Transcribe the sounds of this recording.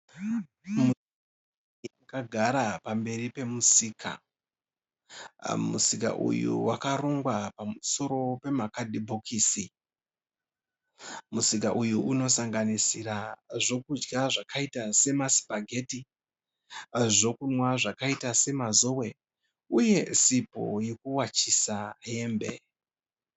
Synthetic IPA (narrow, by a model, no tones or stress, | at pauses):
mu | akaɡʱaɾapambe̞ripe̞musiːkʰa̰ | mṵsika̰ʔṵjṵwakaroŋɡwapamuso̞ɾo̞pe̞makadʱibʱokʰiːsi | musikaʔujuʔuno̞saŋɡanisiraʐo̞kud͡ʒɡaʐakʰaitase̞masi̥paɡʱe̞ti | ʐo̞kunwaʐakaitase̞mazo̞we̞ | uje̞sipo̞̰jekuwat͡ʃisaje̞ːmbḛ